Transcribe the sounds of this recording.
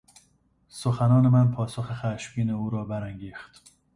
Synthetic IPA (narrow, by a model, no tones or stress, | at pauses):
soxænɒːne̞mænpʰɒːso̞xexæʃmiːneuːɾɒːbæɾæŋɟiːxt̪